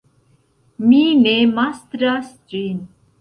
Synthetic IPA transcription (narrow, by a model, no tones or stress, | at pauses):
minemast̪ɾas | d͡ʒin